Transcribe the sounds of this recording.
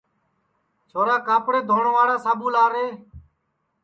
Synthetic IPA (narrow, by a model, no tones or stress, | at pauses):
t͡ʃʰoːɾaːkaːpɾeːd̪ʱoːɳʋaːɽaːsaːɓuːlaːɾeː